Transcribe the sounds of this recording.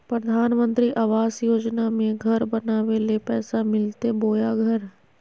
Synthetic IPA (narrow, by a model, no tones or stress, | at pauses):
pɾəd̪ʱaːnmə̃nt̪ɾiʔaːʋaːsjoːd͡ʒnamẽɡʱɐɾbɐnaːʋelepɛːsamɪlt̪eboːjaɡʱɐɾ